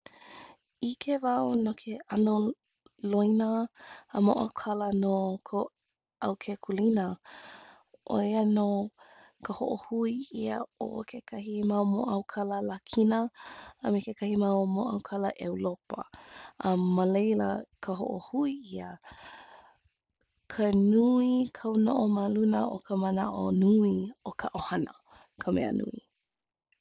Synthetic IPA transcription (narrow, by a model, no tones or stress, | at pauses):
ikʰevaonokʰeʔano | loinəːmo̰ʔa̰wkʰalənokʰo | ɐwkʰekʰulinə | ʔo̰jəno | kʰəhoʔohuiiə̰o̰kʰekʰaɦimawmo̰ʔawkʰaləlakʰinəəmekekʰahimawomoʔɐ̰wkʰaləʔewlopə̰ɐməlejlə̰kʰəɦo̰ʔohuiiə | kʰənuikʰɐwnoʔoməlunəʔo̰kʰəmənaʔonuiokʰaʔohɐnə̰ | kʰəmɛ̰ə̰nʔṵi